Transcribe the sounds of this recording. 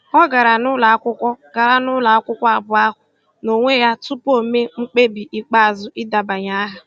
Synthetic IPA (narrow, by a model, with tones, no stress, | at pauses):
ɔ˦ɡa˨ɾa˨nʊ˦la˨a˦kʷʊ˦kʷɔ˦ɡ̥a˨ɾa˨nʊ˦la˨a˦kʷʊ˦kʷɔ˦a˨bʊ˨˦a˦ɦʊ˨ | no˨ŋʷe˦ja˦tu˦po˦me˦ŋ͡m̩˦k͡pe˦bi˨ʔi˨k͡pa˦a˨zʊ˨ʔi˦da˨ba˨ɲa˦a˦ɦa˨